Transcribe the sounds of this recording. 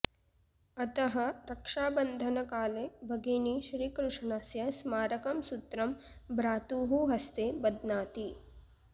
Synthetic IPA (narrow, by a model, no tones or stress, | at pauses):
ɐt̪ɐɦɐ̆ɾɐkʂaːbɐnd̪ʱɐnɐkaːleːbʱɐɡeːniʃɾiːkɾuʂɳasjɐsmaːɾɐkɐmsut̪ɾɐmbɾaːt̪uːɦuɦɐst̪eːbɐd̪naːt̪i